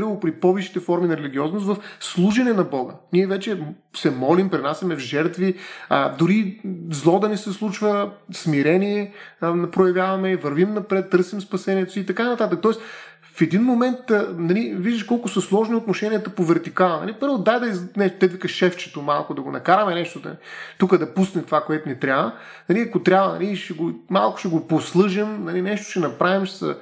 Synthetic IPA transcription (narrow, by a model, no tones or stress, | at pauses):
ɾvpɾipɔviʃi̥t̪ɛfɔɾminɐɾɛliɡʲiɔznʊst̪vɐfslˠuʒɛnɛnɐbɔɡəniɛvɛt͡ʃɛ | sɛmɔlimpɾɛnasʲɐmɛvʒɛɾt̪viə̰d̪ʊɾizlˠɔd̪ɐnɛsɛslˠut͡ʃvəsmiɾɛniɛnpɾojɐvjavɐmɛvɐɾvimnɐpɾɛt̪ːɤɾsimspɐsɛniɛt̪ʊ̥siːt̪ɐkanɐt̪at̪ək̚t̪ɔɛs | fɛd̪inmomɛnt̪nɐliviʒd̪əʃkɔlˠkʊsɐslˠɔʒniot̪noʃɛniət̪əpovɛɾt̪ikalˠənɐ̰lipɤɾvod̪ajd̪ɐiznɛt̪ɛd̪vikəʃɛft͡ʃɛ̥t̪omalˠkʊd̪ɐɡonɐ̰kaɾɐmɛnɛʃt̪od̪ɐ̰t̪ukəd̪ɐpusnɛmt̪ovakoɛt̪ʊnɛt̪ɾʲjavə | nɐliɐkot̪ɾʲabvənɐ̰liʃɛɡomalˠkʊ̥ʃɛɡoposlˠɤʒɛmnɐlinɛʃt̪o̥ʃɛnɐpɾavimsə̰